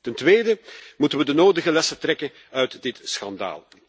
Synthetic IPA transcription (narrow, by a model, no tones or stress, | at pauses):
təntʋeːjdəmutənʋədənoːdəɣəlɛsətɾɛkən | œɥtdɪtsxɑnda̰ːlˠ